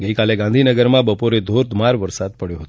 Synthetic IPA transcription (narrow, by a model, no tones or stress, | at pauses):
ɡəikaleɡãnd̪ʱinəɡəɾmãbəpoɾed̪ʱoɾd̪maɾʋəɾsad̪̚pəɽjoɦət̪o